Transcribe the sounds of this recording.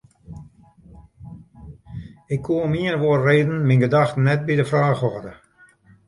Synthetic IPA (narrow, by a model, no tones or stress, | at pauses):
ɪkʰːuəmiərʋoərreːdn̩minɡədaxtnɛt̚bidəfraːxɔːdə